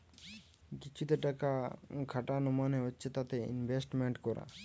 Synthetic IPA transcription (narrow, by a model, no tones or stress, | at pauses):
kit͡ʃʰut̪eʈakakʰaʈanɔmaneɦotːɕʰet̪at̪eḭnbʱesʈmeɳʈkɔɾa̰